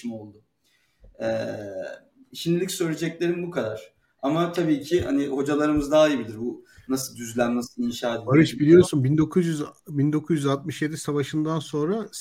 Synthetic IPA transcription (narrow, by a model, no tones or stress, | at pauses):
imo̞lˠd̪ʊ | ɛː | ʃimlʲilʲicsø̞jlʲe̞d͡ʒɛclʲe̞ɾinbukʰad̪aɾ̥ | amat̪ʰabiːcʰɪha̰niho̞d͡ʒalˠaɾɯmɯzd̪aːjibilʲiɾbunasɯlˠd̪yzlʲænːasɯlˠinʃaːt̪edaɾɯʃbilʲijo̞ɾsunbind̪o̞kʰuzjyzbind̪o̞kʰuzjyzalt̪̚mɯʃjed̪isavaʃɯnd̪anso̞nɾa